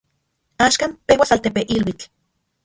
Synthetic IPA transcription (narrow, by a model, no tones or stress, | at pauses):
aːʃkaːmpewasalt̪epeʔilwit͡ɬ